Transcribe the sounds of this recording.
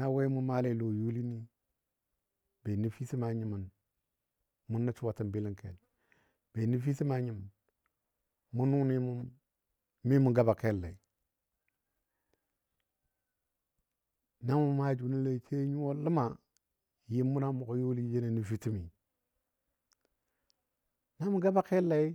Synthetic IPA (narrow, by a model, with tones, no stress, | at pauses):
na˦we˦mu˦ma˦le˦˨lo˨ju˦li˦ni˦ | be˨ni˦fi˦ti˦ma˨ɲi˨mu˨n | mu˦na˦t͡ʃu˦wa˨ti˨mbi˦li˦ŋke˨l | b̥e˨ni˦fi˦ti˦ma˨ɲi˨mu˨n | mu˦nu˦ni˦mu˦˨n | mi˦mu˨ɡa˦ba˨ke˦lːḛ˨ | na˦mu˦˨˦ma˦d͡ʒu˨ni˦le˨t͡ʃe˦ɲu˦wo˦lə˦ma˨ | ji˦mːu˦na˦mu˨ko˦jo˦li˦d͡ʒe˦ne˨ni˨fi˦ti˦mi˨ | na˦mu˦ɡa˦ba˨ke˦lːa˦i˦